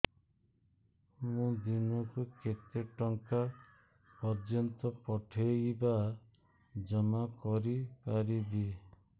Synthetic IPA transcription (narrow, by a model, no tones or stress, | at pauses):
mũd̪inɔkuket̪eʈɔŋka | pɔɾd͡ʒɔnt̪ɔpɔʈʰejba | d͡ʒɔmakɔɾipaɾibi